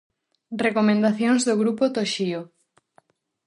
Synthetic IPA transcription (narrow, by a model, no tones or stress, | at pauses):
rekomẽnd̪aθjoŋzðoɣɾupot̪oʃio